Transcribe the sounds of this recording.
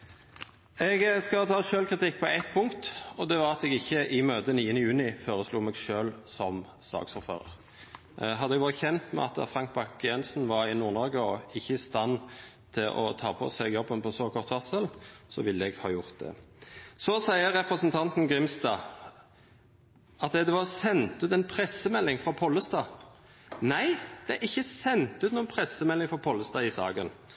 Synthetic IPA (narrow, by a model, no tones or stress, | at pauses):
ɛɡskɑt̪ʰɑːʃøːlkʰʁɪt̪ʰɪkːpʰɔæɪt̪̚pʰʊŋkt̪ɔd̪ɛʋɑɾɑt̪ɛɡɪçːəʔɪmøːt̪əniːənəjʉːnɪfoːɾəsluːmɛɡʃøːlsɔm | sɑ̰ːɡsɔʁføːʁə̰ʁ | ɦɑd̪əɛɡʋɑːɾəçɛnt̪mɛ̰ɑ̰t̪əfʁɑŋk̚bɑkjɛnsn̩ʋɑʁɪnuːʁnɔʁɡəɔɪçːəɪst̪ɑnː | t̪ʰɪʔɔ̰t̪ʰɑ̰ːpʰɔ̰sɛɡjɔbːənpʰɔsɔkʰɔʁt̪ʋɑsəlsɔ̰ʋɪlːəɛɡhɑ̰ːjʊʁt̪̚d̪ɛ̰sɔsæɪəɾɾɛpɾəsənt̪ʰɑnt̪n̩ɡɾɪmst̪ɑː | ʔɑt̪ɛd̪ɛʋɑsɛnt̪ʉːt̪ɛnpʰɾɛsəmɛlːɪŋfʁɔpʰɔlːəst̪ɑː | næɪd̪̥ɛæɾɪçːəsɛnt̪ʉːt̪nuːənpʰɾɛsəmɛlːɪŋfɔpʰɔlːəst̪ɑːɪsɑ̰ːɡən